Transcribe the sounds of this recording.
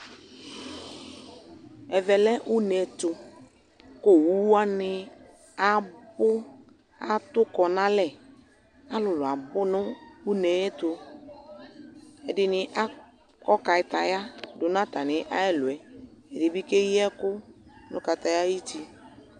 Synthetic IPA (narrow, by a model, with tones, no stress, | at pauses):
ɛ˨vɛ˨lɛ˦ʔu˦nɛ˨tʊ˨ | ko˦˨wu˦wu˦a˦nɪ˦ | a˨bʊ˦ | a˨˦t̪ʊ˦kɔ˨nã˦lɛ˨ | a˦lʊ˨lʊ˨a˨bʊ˦nʊ˦u˦nɛ˨jɛ˦tʊ˨ | ɛ˨dɪ˨nɪ˨ʔa˦ | kɔ˦ka˨ɪ˨t̪a˨ja˦dʊ˨nã˦t̪a˨nɪ˨ʔa˦ɛ˦lʊ˨ɛ˨ɛ˨dɪ˨bi˦ke˦ji˦ɛ˦kʊ˦nʊ̰̃˦ka˨t̪a˨ja˦ji˦ti˦